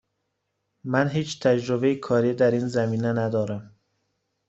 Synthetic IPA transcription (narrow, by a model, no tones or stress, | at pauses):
mænɦiːt͡ʃt̪ʰæd͡ʒɾobeikʰɒːɾiːd̪æɾiːnzæmiːnænæd̪ɒːɾæm